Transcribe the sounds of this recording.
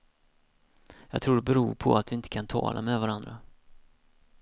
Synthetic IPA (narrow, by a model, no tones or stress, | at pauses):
jɑːɡt̪ʰɾuːɖɛbɛɾuːɾpʰɔ̰at̪̚d̪ɵɪnt̪ʰə̥kʰant̪ʰɑ̰ːlʔa̰mɛvaɾand̪ɾa